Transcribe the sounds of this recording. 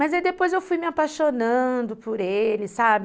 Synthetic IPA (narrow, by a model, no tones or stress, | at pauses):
mɐzaid̪epojzewfujmɪapajʃonɐ̃d̪ʊpʊɾelɪsabɪ